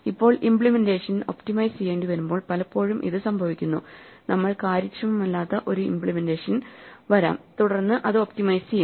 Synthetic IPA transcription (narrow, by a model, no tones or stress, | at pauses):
ipːo̞ːɭimpɭimende̞ːʂɐno̞̰pʈimɐjsijeːɳɖiʋɐɾumbo̞ːɭpɐlɐpːo̞ːɻumʔḭðɨsɐmbʱɐʋikʲːunːunʔɐmːɐɭkaːɾɐkt͡ɕːɐmumɐlːaːt̪ːɐʔo̞ɾuḭmpɭimendeːʂɐnʋɐɾa̰ːmt̪uɽɐrnːɨʔɐðɨoptimɐjsej